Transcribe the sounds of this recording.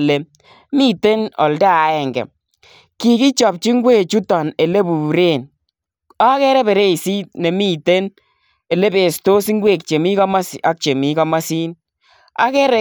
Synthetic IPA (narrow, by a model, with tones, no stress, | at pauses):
le˨ | mi˦te˦nɔ̰˨lda˦a˨˦ɛ˨ŋɡɛ̰˨ | ki˨ki˦t͡ʃɔ˨p̚t͡ʃi˦ŋɡwe˦˨t͡ʃu˦tɔ˨ne˨le˦bu˨ɾe˦˨n | a˦kɛ˦ɾɛ˦bɛ˨ɾe˦i˨si˦t̚nɛ˨mi˦te˦n | e˨le˦be˨sto˦si˦ŋɡwe˦˨k̚t͡ʃe˨mi˦ka˦ma˦sa˦k̚t͡ʃe˨mi˦ka˦ma˦si˦n | a̰˦kɛ˦ɾɛ˦